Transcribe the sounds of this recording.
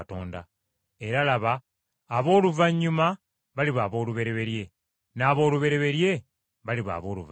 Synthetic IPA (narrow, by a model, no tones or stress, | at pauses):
to̞̰ːnda̰ | e̞ɾalaβaː | βo̞ːluvaɲːuma | βaliβaːβo̞ːluβe̞ɾe̞βe̞ɾje̞ | naːβo̞ːluβe̞ɾe̞βe̞ɾje̞ | βaliβa̰βo̞ːlṵv